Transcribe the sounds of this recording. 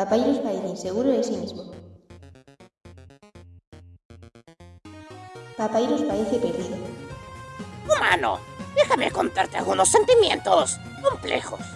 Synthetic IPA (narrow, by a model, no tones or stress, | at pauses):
apailospaɾeθeinseɣuɾoðesimizmo | papailospaɾeθepeɾðiðo | uma̰no̰ðexamekont̪aɾt̪ea̰lɣunosːent̪imjḛ̃nt̪os | ko̞mplḛxos